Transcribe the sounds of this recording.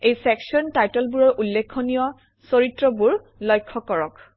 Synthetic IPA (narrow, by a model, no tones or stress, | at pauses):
ejsɛksɔntajtɔlbuɹɔɹʔulːekʰːonijɔ | soɹitɹɔbuɹ | lɔjkʰːɔkɔɹɔk